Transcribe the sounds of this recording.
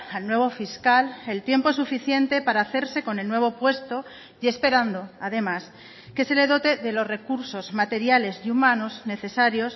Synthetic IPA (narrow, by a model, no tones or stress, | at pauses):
alnwe̞β̞o̞fiskale̞lt̪je̞mpoesufiθje̞nt̪e̞paɾaːθe̞ɾse̞ko̞ne̞lnwe̞β̞o̞pwe̞st̪o̞ | je̞spe̞ɾand̪o̞aðe̞mas | ke̞se̞le̞ðo̞t̪e̞ðe̞lo̞szre̞kuɾso̞zmat̪e̞ɾjale̞zumãno̞zne̞θe̞saɾjo̞s